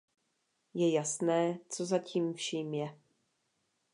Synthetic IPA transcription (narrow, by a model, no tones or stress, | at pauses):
jɛjasnɛːt͡so̞zaciːmfʃiːmjɛ